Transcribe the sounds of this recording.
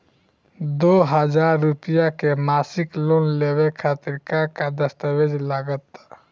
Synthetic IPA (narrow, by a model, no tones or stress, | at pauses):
d̪oːɦəd͡ʒaːɾːupijakemasɪkloːnlewekʰaːt̪ɪɾkakad̪əst̪əwed͡ʒlaːɡət̪